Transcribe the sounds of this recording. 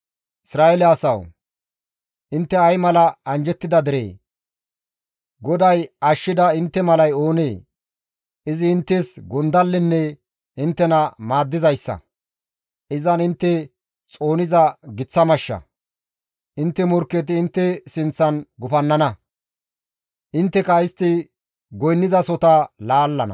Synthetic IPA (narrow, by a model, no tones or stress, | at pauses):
ʔɪsɾaːɛlɛɐsɐw | ʔɪnt̪ːɛɐjmɐlɐɐnd͡ʒɛt̪ːɪd̪ɐd̪ɪɾḛː | ɡɔd̪ɐjɐʃːɪd̪ɐɪnt̪ːɛmɐlɐjoːneː | ʔɪzɪːnt̪ːesɡʊnd̪ɐlːɪnːɛ | ɪnt̪ːɛnɐmaːd̪ːɪzɐjsːɐ̰ | ʔɪzɐnɪnt̪ːɛ | t͡sʼo̞ːnɪzɐɡɪt͡sːɐmɐʃːɐ̰ | ʔɪnt̪ːɛmɔɾkːɛt̪̬ɪːnt̪ːɛsɪnt͡sːɐnɡʊfɐnːɐnɐ | ʔɪnt̪ːɛkɐɪst̪ːɪ | ɡɔjnːɪzɐsɔt̪ɐlaːlːɐnɐ̰